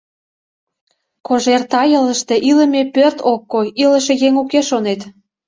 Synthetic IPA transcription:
koʒert̪ɑjə̆ləʃt̪ĕʔilə̆mepørt̪okːoilə̆ʃĕjeŋukeʃonet̪

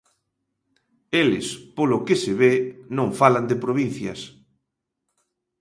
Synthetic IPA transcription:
elɪ̰spolokesɪβenõŋfaland̪ɪpɾoβin̟θjɐ̰s

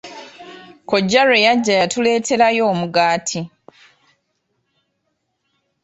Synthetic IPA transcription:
ko̞ɟːaɾe̞jaɟːajatule̞ːtʰe̞ɾajo̞ːmuɡaːtʰi

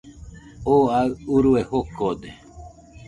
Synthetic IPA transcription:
oaɨuɾuehokod̪e

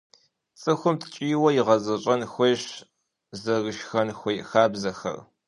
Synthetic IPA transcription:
t͡sʼɨxʷʊmtʰt͡ʃʼiːwɐjɪʁɐzɐɕʼɐnxʷeɕ | zɐrɨʃxɐnxʷejxaːbzɐxɐ̰r

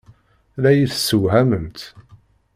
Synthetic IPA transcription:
læjiθsːəwɦæməmt̪

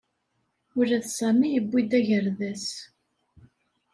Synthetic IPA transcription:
ʊɾæðsæmːijəbːid̪æʝəɾðæs

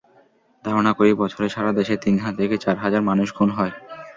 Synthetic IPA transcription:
d̪ʱaɾonakoɾibɔt͡ɕʰoɾeʃaɾad̪eʃet̪inɦat̪ʰeket͡ɕaɾɦad͡ʑaɾmanuʃɡʰʱunɦɔe

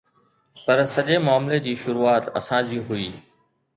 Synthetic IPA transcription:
pɐɾsɐʄemʊaːmled͡ʑiːʃʊɾuːaːt̪ɐ̰sãːd͡ʑiːɦʊiː

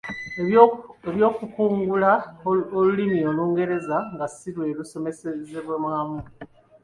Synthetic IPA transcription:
eβjo̞ːkukuːŋɡulaolulimio̞luːŋɡe̞ɾe̞zaŋɡasiɾwe̞ːlusomesezeβwemwaːmu

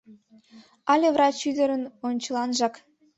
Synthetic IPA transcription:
ɑlʲevrɑt͡ɕyd̪ə̆ɾənonʲt͡ɕə̆lˠɑnʒɑk

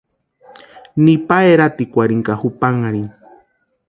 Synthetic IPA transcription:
nipaeɾat̪ikʷaɾiŋkahupaŋaɾi

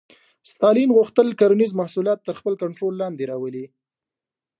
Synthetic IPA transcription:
st̪ɑlinɣuxt̪əlkaɾanizmahsuljɑt̪ːəɾxpəlkaɳʈɾolːɑnd̪eɾɑwəli

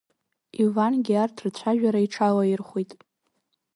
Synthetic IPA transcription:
ivanɡʲiartʰrt͡ɕʷʰaʒᶣaɾaiʈ͡ʂʰalairχʷitʼ

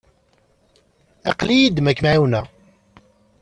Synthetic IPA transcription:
ɑ̰qlijid̪mækːmʕiwnæ

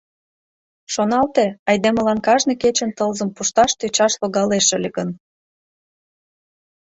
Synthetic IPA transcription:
ʃonɑlt̪eɑjd̪emə̆lɑnkɑʒneket͡ɕə̆nt̪əlzəmpuʃt̪ɑʃt̪øt͡ɕɑʃloɣɑleʃə̆lʲeɡən

